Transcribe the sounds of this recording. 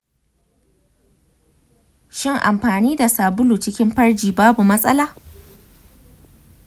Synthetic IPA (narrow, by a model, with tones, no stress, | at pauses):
ʃɪ˦˨ŋʔa̰˨mɸaː˨niː˦da˨saː˨bʊ˦luː˨t͡ʃɪ˦kʲɪ˦mɸɐ˦rd͡ʒiː˨baː˦bu˨mɐ˦sʼɐ˦laː˦